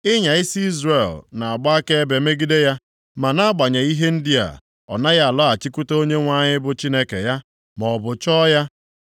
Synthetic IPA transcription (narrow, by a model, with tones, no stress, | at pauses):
ɪ˦ɲa˨ɪ˦si˦i˦zɾe˨lna˨a˨ɡ͡ba˦a˦ke˦e˦be˨me˦ɡi˦de˦ja˦ | ma˨na˦a˦ɡ͡ba˨ɲe˨i˦ɦe˦n̩˦di˦a̰˨ | ɔ̰˨na˦ɣa˦a˨lɔ˦a˨t͡ʃi˦ku˦to˦ɲe˦ŋʷa˦ɲɪ˦bʊ˨t͡ʃi˦ne˦kḛ˨ja˦ | mɔ˨bʊ˨t͡ʃɔ˦ja˦